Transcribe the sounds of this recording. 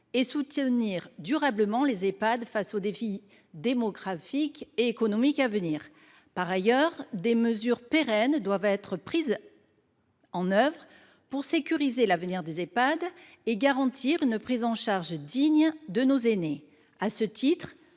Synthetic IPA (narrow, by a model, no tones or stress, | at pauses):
esut̪əniʁd̪yʁabləmɑ̃lezepad̪fasod̪efi | d̪emɔɡʁafikeːkɔnɔmikavəniːʁ | paʁajœʁd̪eməzyʁpeʁɛnd̪wavɛt̪χəpχiz | ɑ̃nœvʁə | puʁsekʲyʁizelavəniʁd̪ezepad̪ | eɡaʁɑ̃t̪ʰiʁynpχizɑ̃ʃaʁʒd̪iɲd̪ənozene | asət̪ʰit̪χ